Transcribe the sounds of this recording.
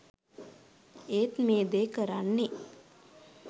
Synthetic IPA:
eːt̪meːd̪eːkəɾanːe

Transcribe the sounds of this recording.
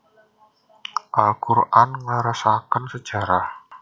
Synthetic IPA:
ʔalkuɾʔanŋəɾasakənsəd̥ʒ̥a̤ɾah

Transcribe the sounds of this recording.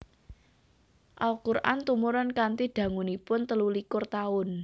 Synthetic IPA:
ʔalkurʔa̰nt̪umuɾankant̪id̪̥ä̤ŋunipʊnt̪əlulikʊrt̪aʊn

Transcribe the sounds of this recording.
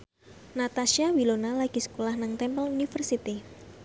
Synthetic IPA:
nat̪aʃiawilonalaɡ̥i̤sə̥kolahnaŋt̪ɛmpəlunifərsit̪i

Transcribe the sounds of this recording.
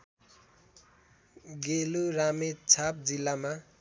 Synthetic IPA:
ɡeluɾamet͡sʰap̚d͡zilːama

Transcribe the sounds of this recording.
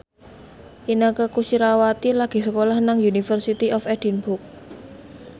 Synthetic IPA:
ʔinəkəkusiɾawat̪ilaɡ̥i̤səkolahnaŋjunifərsit̪iʔɔfɛd̥i̤nbʊk̚

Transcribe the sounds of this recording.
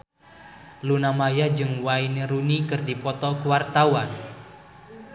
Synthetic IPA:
lunamajad͡ʒɨŋwaineɾunikərdipɔt̪ɔkuwart̪awan

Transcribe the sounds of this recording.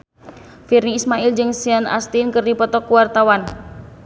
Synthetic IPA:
firniːsmaɪld͡ʒɨŋsiana̰st̪inkərdipɔt̪ɔkuwart̪awan

